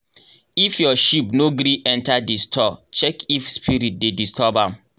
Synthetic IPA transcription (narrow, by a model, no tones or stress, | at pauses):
ifjɔʃipnoɡɾiʔɛ̃ntadistʰɔt͡ʃɛkifspʰiɾit̚dedistʰɔbãm